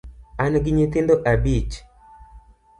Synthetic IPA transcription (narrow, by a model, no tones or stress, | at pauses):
anɡɪɲɪt̪ɪnd̪oʔabit͡ʃ